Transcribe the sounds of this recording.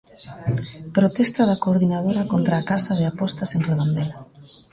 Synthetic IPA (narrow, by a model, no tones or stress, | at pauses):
pɾot̪ɛst̪aðakoːɾðinað̞oɾakont̪ɾaːkasaðeapɔst̪asenreð̞ond̪ela